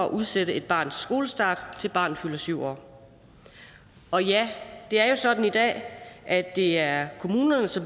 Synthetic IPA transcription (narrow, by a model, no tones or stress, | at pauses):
ɒɒʔuð̞ˠseɾ̥əe̝d̥̚b̥ɑ̰̈ːnðsɡ̥o̝ːləsd̥ɑ̈ːd̥t͡sʰe̝lb̥ɑ̈ːnð̩ˠfylɐsyʊ̰ɒ̰ː | ɒ̽jæd̥e̝æɐjo̝sɒ̽d̥n̩id̥ɛ̰ːʔæd̥e̝æɐkʰo̝muːnɐnəsɒ̽m